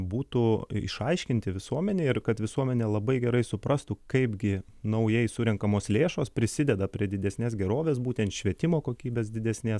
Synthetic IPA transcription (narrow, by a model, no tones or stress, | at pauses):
buːt̪uːɪ̰ʃɐɪʃʲkʲɪnʲt̪ʲɪʋʲɪsuɔmʲɛnʲeːɪrkɐt̪ʋʲɪsuɔmʲɛnʲeːlˠɐbɐɪɡʲɛɾɐɪsʊpɾɐst̪ukɐɪpɡʲɪ | nɐʊjɛɪsʊɾʲɛŋkɐmoːslʲeːʃoːspʲɾʲɪsʲɪd̪ʲɛd̪ɐpʲɾʲiɛd̪ʲɪd̪ʲɛsʲnʲeːsɡʲɛɾoːʋʲeːsbuːt̪ʲɛnt̪ʃʲʋʲiɛt̪ʲɪmoːkoːkʲiːbʲeːsd̪ʲɪd̪ʲɛsʲnʲeːs